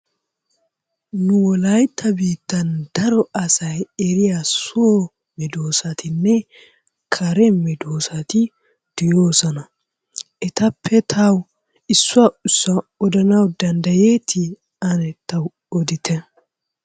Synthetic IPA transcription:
nʊwɔlɐjt̪ʰːɐbiːt̪ːɐnd̪̥ɐɾɔɐsɐjɛɾɪjasʊo | mɛd̪o̞ːsɐt̪ʰɪnːɛ | kʰɐɾɛmɛd̪oːsɐt̪ɪ | d̪̥ɪjoːsɐnɐ | ʔɛt̪ɐpʰːɛt̪ʰɐw | ɪsːʊɐʊsːɐɔd̪ɐnɐwd̪ɐnd̪ɐjeːt̪ʰɪ | ɐnɛt̪ːɐw | ɔd̪ɪt̪ʰɛ

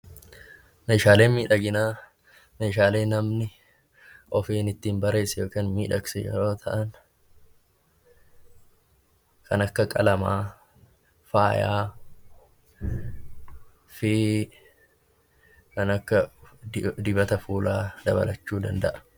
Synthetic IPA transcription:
meːʃaːle̞ːnmiːᶑɐɡɪnaː | meːʃaːle̞ːnɐmnɪ | ʔɔfeːnɪt̪ːiːmbɐɾe̞ːsɛjo̞ːkeːnmiːᶑɐɡsɛjɛ̰ɾo̞ːt̪ʰɐʔɐn | kɐnɐkːɐkʼɐlɐmaː | faːjaː | fɪ | kɐnɐkːɐ | d̪ɪbɐt̪ɐfuːlaːd̪ɐ̰bɐ̰lɐt͡ʃːuːd̪ɐ̰nd̪ɐʔɐ̥

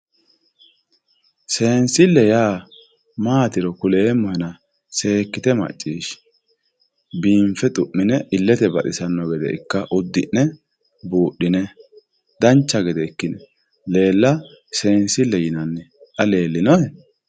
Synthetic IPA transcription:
se̞ːnsɪlːɛjaː | maːt̪ɪɾɔkʊleːmɔhɛnɐ | se̞ːkːɪt̪ɛmɐ̰t͡ʃʼːiːʃ | biːɱfɛt̪ʼʊʔːɪnɛʔɪlːɛt̪ɛbɐʔɪsɐnːɔɡɛd̪ɛ̰ɪ̰kːɐʔʊd̪ːɪnːɛ | buːɗːɪnɛ | d̪ɐnt͡ʃːɐɡɛd̪ɛɪkːɪnɛ | le̞ːlːɐ | se̞ːnsɪlːɛjɪnɐnːɛtʼɐle̞ːlːɪnɔjɛ

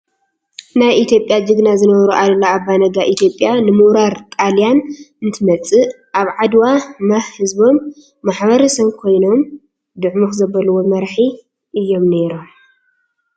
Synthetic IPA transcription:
najit̪ʰjo̞pʼjad͡ʒɨɡnazɨnɐβɐɾuʔalɐlːaabːanɐɡaʔit̪ʰjo̞pʼjanɨmuɾaɾt̪ʼalijanɨnt̪ʰɨmɐt͡sʼɨ | ʔaβʕad̪wamahɨzbo̞mː | aħβɐɾɐsɐβkʰo̞jno̞m | d̪ɨʕmoxzɐbɐlɨwo̞mɐɾħi | ʔɨjːo̞mne̞ɾom

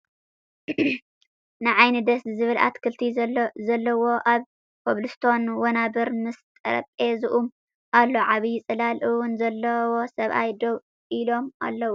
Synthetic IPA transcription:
nɨʕajnɨd̪ɐszɨβɨla̰t̪kʰɨlt̪ʰizɐlːɐwo̞ʔaβ | pʰoβlust̪ʰo̞nwɐnabɨɾmɨst̪ʼɐ̰ɾɐ̰pʼezɨʔum | ʔalːo̞ʕaβɨjɪt͡sʼɨlalʔɨwʊnzɐlːɐwo̞sɐβʔa̰jd̪ow | ʔilo̞mʔa̰lːɐwu

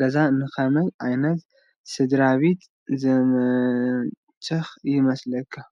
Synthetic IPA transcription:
ɐzanɨxɐmɐjʔajnɐt̪ | sɨd̪ɾaβit̪ | zɐmɐ | t͡ʃʼːɐxjɪmɐslɐkʰːa

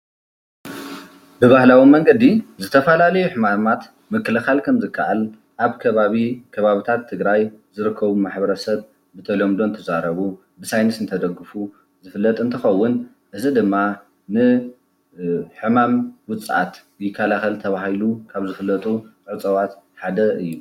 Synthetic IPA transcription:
bɨβahlawimɐŋɡɐd̪izɨt̪ʰɐfɐlalɐjuħɨmamat̪ | mɨkʰːɨlɨxalkʰɐmzɨkʰːaʕal | ʔaβkʰɐβaβikʰɐβaβit̪ʰat̪ʰːɨɡɾajzɨɾɨkʰːɐβumaħbɐɾɐsɐβ | bɨt̪ʰɐlo̞md̪ont̪ʰɐzaɾɐβu | bɨsajnɨsɨnt̪ʰɐd̪ɐɡɨfu | zɨfɨlːɐt̪ʼɨnt̪ʰɨxɐwːʊn | ʔɨzid̪ɨmːa | nɨ | ħɨmamwʊt͡sʼʕa̰t̪ | jɪkʰːalaxɐlt̪ʰɐβahilukʰaβzɨfɨlːɐt̪ʼu | ʕɨt͡sʼɐwat̪ | ħad̪ɐɨjːu

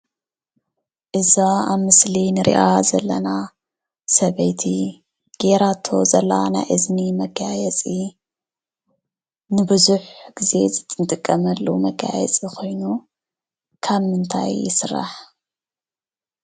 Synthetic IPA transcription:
ʔɨzaaβmɨslinɨɾʔḭʔazɐlːɐna | sɐβɐjt̪ʰi | ɡ̥eɾat̪ʰːo̞̰zɐlːa̰na̰jʔɨznimɐɡajɛt͡sʼi | nɨbɨzuħɡ̥ize̞zɨt̪ʼɨnt̪ʼɨkʼːɐmɐlːumɐɡa̰jɛ̰t͡sʼikʰo̞jnu | kʰaβmɨnt̪ʰa̰jːɪsɨrːa̰ħ

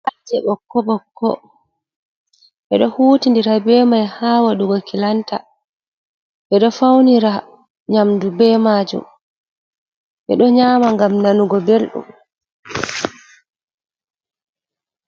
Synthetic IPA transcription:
ʔad͡ʒɛɓɔkːɔbɔkːɔ̰ | ʔɛɗɔhuːtindiɾabɛːmajhaːwaɗuɡɔkilanta̰ | ʔɛɗɔfawniɾa | ɲamdubɛːmad͡ʒṵm | ʔɛ̰ɗɔɲaːmaŋɡamnanuɡɔbelɗṵm

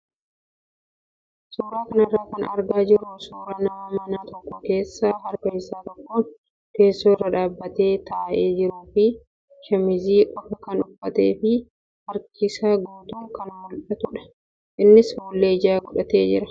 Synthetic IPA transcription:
suːɾaːkɐnɐrːaːkɐnɐ̰ɾɡaːd͡ʒɪɾʊsoːɾɐnamɐnaːt̪ɔkːɔke̞ːsːaɦɐɾkɐjɪsaːt̪ɔkːoːn | ke̞ːsːoːɪrːɐᶑaːbːɐt̪e̞ːt̪ɐʔe̞ːd͡ʒɪɾuːfɪ | ʃɐmɪziːʔɔɐkɐnʊfːɐt̪ḛːfɪ | hɐɾkɪsaːɡoːt̪uːkɐnmɔlᶑɐt̪ʊᶑɐ̥ | ʔɪnːɪshɔlːeːɪd͡ʒaːɡɔᶑɐt̪e̞ːd͡ʒɪɾɐ

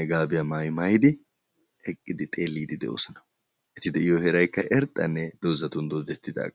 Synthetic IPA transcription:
ɛɡaːbɪjɐmajmɐjd̪ɪ | hɛkʼːɪd̪ɪt̪ʼe̞ːlːiːd̪ɪd̪ɛʔo̰ːsɐnɐ̥ | ʔɛt̪ːɪd̪ɛjɔhɛɾɐjkːɐʔɛɾt̪ʼːɐnːɛd̪̥oːzɐt̪ʊnd̪ozɛt̪ːɪd̪a̰ːkʼɐ

